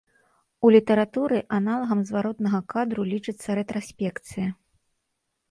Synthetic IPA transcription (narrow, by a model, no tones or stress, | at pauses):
ulʲit̪ɐɾat̪uɾɨʔanalˠɐɣɐmzvaɾɔt̪nɐɣɐkad̪ɾulʲit͡ʂɨt̪sːɐɾɛt̪ɾasʲpʲɛkt̪sɨjɐ